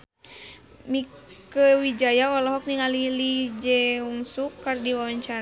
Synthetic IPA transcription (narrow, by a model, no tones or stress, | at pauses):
mikəwid͡ʒajaɔlɔɦɔk̚niŋalilid͡ʒɛuŋsukːardiwawaɲt͡ʃaɾ